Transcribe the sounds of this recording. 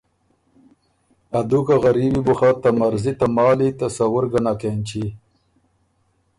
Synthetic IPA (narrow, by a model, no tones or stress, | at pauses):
ad̪ukaɣaɾibibuxat̪amaɾzit̪amɑːlit̪asawʊɾɡanakent͡ɕi